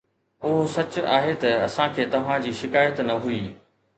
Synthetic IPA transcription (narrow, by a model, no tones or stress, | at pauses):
ʊɦosɐt͡ɕʊaːɦet̪ɐɐsãkʰeːt̪ɐʋ̤ãd͡ʑiːʃɪkaːjət̪nɐɦuiː